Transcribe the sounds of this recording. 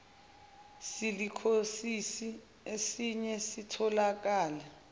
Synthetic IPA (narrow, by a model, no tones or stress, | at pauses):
silikʰosisi | esiɲɛsitʰɔlak̬aːlɛ